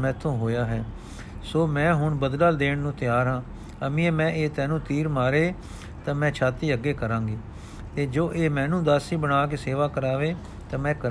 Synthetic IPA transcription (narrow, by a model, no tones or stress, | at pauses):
mɛ̃ːt̪ʰõːɦoːjaːɦɛː | soːmɛ̃ːɦʊɳbəd̪lald̪eːɳnũːt̪ɪjaːɾɦãː | əmĩːɛːmɛ̃ːʔeːt̪ɛ̃ːnũːt̪iːɾmaːɾeː | t̪ãːmɛ̃ːt͡ʃʰaːt̪iːəɡːeːkəɾãːŋɡiː | t̪eːd͡ʒoːʔeːmɛ̃ːnũːd̪aːsiːbəɽaːk̬eseːʋaːkəɾaːʋeː | t̪ãːmɛ̃ːkəɾ